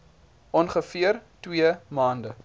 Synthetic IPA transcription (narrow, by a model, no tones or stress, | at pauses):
ʔɔnχəfiərtwiəmɑːndə